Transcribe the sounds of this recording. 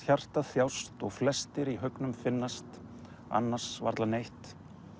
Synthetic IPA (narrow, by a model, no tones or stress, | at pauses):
çar̥t̪aθjawst̪ɔɣflɛst̪ɪɾiɦœknʏmfɪnːast̪ | a̰nːaɾ̥sva̰ɾt̪lanejht̪